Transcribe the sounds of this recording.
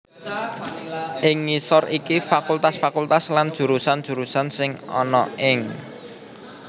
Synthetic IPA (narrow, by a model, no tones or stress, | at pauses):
ʔɪŋːisɔrikifakult̪asfakult̪asland̥ʒ̥ṳɾusand̥ʒ̥ṳɾusansɪŋɔ̰nɔ̰ɪŋ